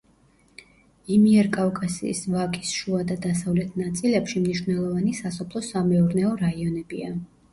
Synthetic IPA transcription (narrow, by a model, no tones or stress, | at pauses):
imiɛɾkʼavkʼasḭːsvakʼisʃuad̪ad̪asavlɛt̪ʰnat̪sʼilɛpʃimniʃvnɛlˠɔvanisasɔpʰlˠɔsamɛuɾnɛɔɾaiɔnɛbia